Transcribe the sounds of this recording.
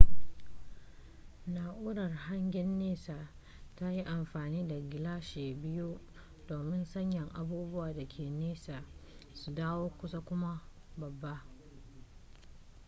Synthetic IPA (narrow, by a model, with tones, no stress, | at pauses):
naː˨ʔuː˦ɽɐ˨rha˦ŋɡʲɛ˦nːeː˦saː˨ | ta˦ji˦ʔa˨mɸaː˨niː˦da˨ɡʲɪ˨laː˦ʃeː˨bɪ˦ju˦ | doː˨mɪ˦nsɐ˦ɲjɐ˨ŋʔa˨buː˦bʊ˦waː˨da˨kʲʰeː˨neː˦saː˨su˨daː˦woː˦kʷʊ˦sa˦kʷʊ˦ma˦ | bɐ˨bːa˦ʔ